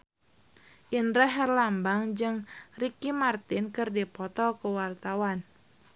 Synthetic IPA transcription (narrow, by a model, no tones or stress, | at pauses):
ʔindɾɛɦɛrlambaŋd͡ʒɨŋrikimart̪ɪnkɨrdipɔt̪ɔkəwart̪awan